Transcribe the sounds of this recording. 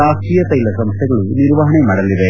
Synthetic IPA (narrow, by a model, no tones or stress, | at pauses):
aːʂʈijɐt̪ːɐjilːɐsɐmst̪ʰːɐɣɐɭuniɾʋaːɦɐɳemɐɽɐlːiʋe